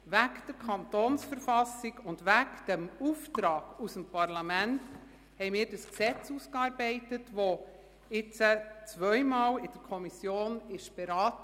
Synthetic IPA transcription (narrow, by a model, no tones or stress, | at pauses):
vækd̥əɾkʰɑntoːnsfəɾfɑsɪɡʊndʋækd̥ɛmuftɾɑːɡ̥usəmpʰɑɾlɑmænt | hɛɪmiːɾdəsksɛt͡suːskɑːɾbɛɪtətʋo | ɪt͡sət͡svʋœʏmɑːlɪd̥əɾkʰɔmisjoːnɪʃb̥ɛɾɑːt